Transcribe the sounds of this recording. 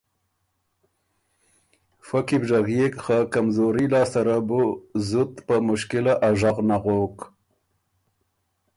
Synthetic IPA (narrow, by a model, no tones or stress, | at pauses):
fakibʒaɣjekxakamzoɾilɑːst̪aɾabuzʊt̪pəmʊʃkɪlaʔaʒaɣnaɣok